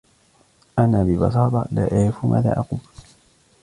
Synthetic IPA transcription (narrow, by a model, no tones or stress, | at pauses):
ʔanabɪbɑ̰sˤɑːt̪ˤɑla̰ʔajfumʔa̰ːða̰ːʔaqum